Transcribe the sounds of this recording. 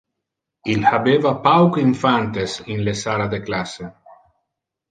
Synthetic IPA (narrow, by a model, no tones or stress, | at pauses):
ilhabevapawkiɱfant̪esinlesalad̪eklase